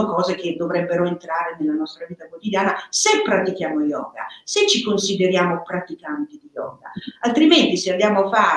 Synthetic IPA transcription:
okɔːzek̟ed̪ːovɾɛbːeɾoent̪ɾaːɾenelːanɔst̪ɾaviːt̪akwot̪id̪jaːnasepːɾat̪ik̟jaːmojɔ̰ːɡa̰set͡ʃːikonsid̪eɾjaːmopɾat̪ikant̪id̪ijɔ̰ːɡa̰alt̪ɾiment̪iseand̪jaːmoafːaː

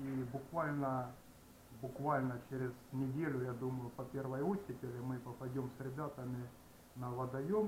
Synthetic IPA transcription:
ibʊkvalʲnə | bʊkvalʲnət͡ɕeɾʲɪznʲɪdʲelʲʊjad̪uməjʊpɐpʲervəjutʲːɪpʲɪɾʲmɨpəpɐdʲo̞msɾʲɪbʲat̪əmʲɪ | nɐvɐd̪ɐjom

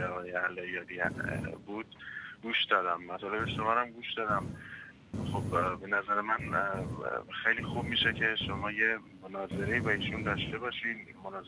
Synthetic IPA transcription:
ɒɣɒːjeælɒjɒːd̪iæ̰buːd̪̥̚ɡuːʃd̪ɒːd̪æmːæt̪ʰɒːle̞beʃomæɾæmɡuːʃd̪̥ɒːd̪æm | xobbe̞næzæɾemæn | xejliːxub̚miːʃecʰe̞ʃo̞mɒːje̞monɒːze̞ɾe̞iːbɒiːʃund̪ɒʃt̪e̞bɒʃiːd̪monɒːz

